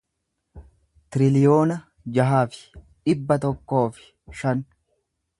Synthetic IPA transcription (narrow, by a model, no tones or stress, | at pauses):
t̪ɪɾɪlɪjo̞ːnɐ | d͡ʒɐɦaːfɪ̥ᶑɪbːɐt̪ɔkːo̞ːfɪ̥ | ʃɐn